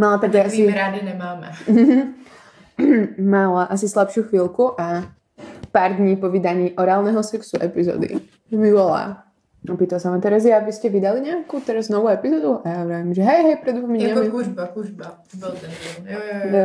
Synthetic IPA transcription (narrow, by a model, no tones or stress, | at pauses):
malat̪aɡʒɛasiɾad̪iɲɛmaːmɛ̰ɦ̩ | malaʔas̬islˠapʃɪuxʋiːlˠkuʔa | paːɾd̪ɲiːpɔʋid̪aɲiːʔɔɾaːlˠnɛɦɔsɛksuʔɛpizɔ̰d̪ḭ | milɔla̰ | ɔpiːt̪alsaʋamt̪ɛɾazjabiscɛʋid̪aliɲɛakut̪ɛɾaznɔʋuːɛpizɔːd̪uajaɾɛʋimʒɛɦɛjɦɛjpɾɛd̪ʋɔmiɲɛɲɛmikuʒbakuʒba | ɔlt̪ɛnɔ